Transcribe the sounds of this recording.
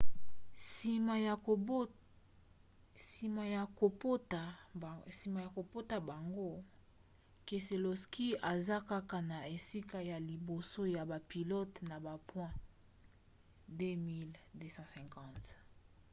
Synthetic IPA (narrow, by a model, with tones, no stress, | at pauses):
m˨ | i˨ma˨ja˨o˨ptsi˨ma˨ja˨ko˨po˦ta˨ba˨ŋɡo˦ | ke˨se˨lo˨ski˦a˨za˦ka˦ka˦na˨e˨si˦ka˦ja˨li˨bo˨so˦ja˨ba˨pi˨lɔ˦tna˨ba˨pwɛ̃˦ | de˦mi˦lde˦sɑ̃˦sɛ̃˨ŋkɑ̃˦˨t